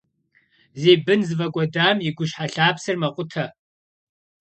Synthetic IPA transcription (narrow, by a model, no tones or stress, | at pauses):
zeːbɨnzɨvɐkʷʼɔdaːmiɡʷʊʃɕħaɬaːpsɨrmɐqʷʼʊtʰɐ